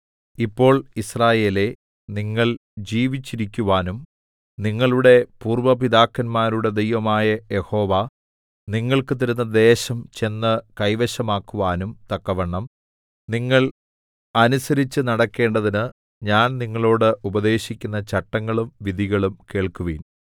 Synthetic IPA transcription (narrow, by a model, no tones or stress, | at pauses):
ipːo̞ːɭisraːje̞ːle̞ | niŋːɐɭd͡ʑiːʋit͡ɕːiɾikʲːuʋaːnum | niŋːɐɭuɽe̞puːrʋɐpiðaːkːɐnmaːɾuɽe̞d̪ejʋɐmaːjɐje̞ho̞ːʋɐ | niŋːɐɭkɨt̪iɾunːɐd̪e̞ːɕɐmt͡ɕe̞nːɐkɐjʋɐɕɐmaːkːuʋaːnumt̪ɐkːɐʋɐɳːɐm | niŋːɐɭ | ɐnusɐɾit͡ɕːɨnɐɽɐkːe̞ːɳɖɐðinɨ | ɲaːnniŋːɐɭo̞ːɽɨʔubɐðe̞ːɕikʲːunːɐt͡ɕɐʈːɐŋːɐɭumʋid̪ʱiɣɐɭumke̞ːɭkuʋiːn